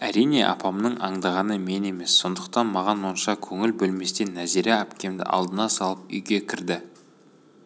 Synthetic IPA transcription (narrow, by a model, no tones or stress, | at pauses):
æɾijne̞̰ʔɑ̰pɑmnəɴɑɴd̪ɑʁɑnəme̞ne̞me̞sːo̞nd̪əqt̪ɑnmɑʁɑnwonʃɑkʲʰɵŋɪlbɵlme̞st̪e̞nːæziɾeæpkʲe̞md̪ɪ̰ʔɑ̰lˠd̪ənɑsɑlˠəp̚ʏ̰jɡʲe̞kʲʰɪɾd̪ɪ